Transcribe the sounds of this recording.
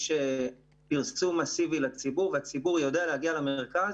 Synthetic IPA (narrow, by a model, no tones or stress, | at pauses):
ʃe | piʁsumasivilat͡sibuʁveat͡sibuʁjo̞dealehaɡialameʁkaz